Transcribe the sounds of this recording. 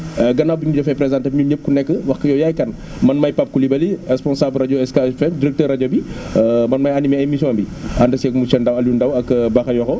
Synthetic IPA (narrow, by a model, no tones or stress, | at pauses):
əɡɐnawbiɲudɔfɛpɾɛzãntɐbɲuɲəp̚kunɛkːəwɐxkəjɔjaːjkɐn | mɐnmɐjpap̚kulibɐlirɛspɔnsablraɟoɛskaɛfɛmdiɾɛk̚təːrɐaɟobimɐnmɐjanimɛɐjmisjɔ̃nbiɐndɐsɛk̚musɛndɐwɐljundɐwɐkːbɐxɐjɔxɔ